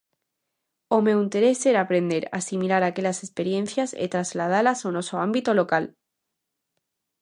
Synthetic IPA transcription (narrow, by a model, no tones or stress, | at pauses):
ome̞wint̪e̞ɾe̞seɾaːpɾe̞nd̪e̞ɾa̰similaɾakeʎase̞spe̞ɾjẽ̞n̟θjasḛt̪ɾazlað̞alasono̞soambit̪o̞lo̞kal